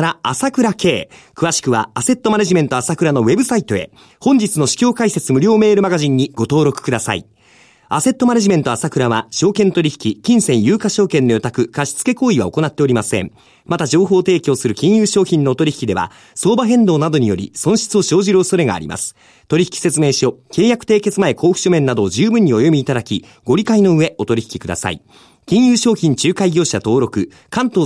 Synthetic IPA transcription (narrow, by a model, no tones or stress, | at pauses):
ɾaasakɯ̟ɾake̞ːkɯ̟βaɕi̥kɯ̟βa̰ːse̞t̪ːo̞maneʑimẽ̞nt̪o̞asakɯ̟ɾano̞βe̞bɯ̟sait̪o̞e̞̰ | hõ̞ɲ̟d͡ʑit͡sɨno̞ɕi̥kʲo̞ːkaiset͡sɨmɯ̟ɾʲo̞ːme̞ːɾɯ̟maɡaʑĩɲ̟ːiɡ̥o̞t̪o̞ːɾo̞kɯ̟̥kɯ̟d̪asa̰ḭ | ase̞t̪ːomaneʑime̞nt̪o̞asakɯ̟ɾaβaɕo̞ːkẽ̞nt̪o̞ɾʲiçi̥kʲikʲĩɰ̃sẽ̞ɰ̃jɯ̟ːkaɕo̞ːkẽ̞nːo̞jot̪akɯ̟kaɕi̥t͡sɨ̥ke̞ko̞ːiβa̰o̞ko̞nat̪ːe̞o̞ɾʲimasẽ̞̰ɴ | mat̪aʑo̞ːɦo̞ːt̪e̞ːkʲo̞ːsɨɾɯ̟kʲĩɰ̃jɯːɕo̞ːçĩnːo̞ːt̪o̞ɾʲiçi̥kʲid̪e̞βa̰ | so̞ːbaɦẽ̞nd̪o̞ːnad̪o̞ɲ̟ijo̞ɾʲḭsõ̞ɰ̃ɕi̥t͡sɨo̞ɕo̞ːʑiɾɯoso̞ɾe̞ɡa̰ːɾʲḭma̰sɨ̥ | t̪o̞ɾʲiçi̥kʲi̥se̞t͡sɨme̞ːɕo̞ke̞ːjakɯ̟̥t̪e̞ːke̞t͡sɨmae̞ko̞ːɸɯ̟̥ɕomẽ̞nːad̪o̞ːʑɨːbɯ̟̃ɲ̟ːio̞jo̞mʲiːt̪ad̪akʲi | ɡ̥o̞ɾʲikaino̞ɯ̟e̞ʔo̞t̪o̞ɾʲiçi̥kʲi̥kɯ̟d̪a̰sa̰ḭ | kʲĩɰ̃jɯːɕo̞ːçĩɲ̟t͡ɕɨːkaiɡʲo̞ːɕat̪o̞ːɾo̞kɯ̟ | kãnt̪o̞ː